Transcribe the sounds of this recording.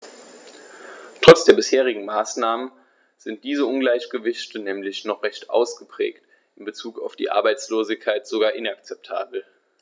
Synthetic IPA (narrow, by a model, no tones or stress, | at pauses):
tʁ̥ɔt͡sd̥eːɐbɪsheːʁ̞ɪɡŋ̩maːsnaːmən | z̥ɪnt̚d̥iːzəʊnɡlaɪçɡ̥əvɪçtənɛːmlɪçnɔχʁ̥ɛçtʔa̰ʊsɡ̥əpʁ̥ɛ̰ːkt | ʔɪnbət͡suːkaʊfd̥ḭːʔa̰ɐbaɪt͡sloːzɪkʰːaɪtz̥oɡaːɐʔɪnakt͡sɛp̚tʰa̰ːbl̩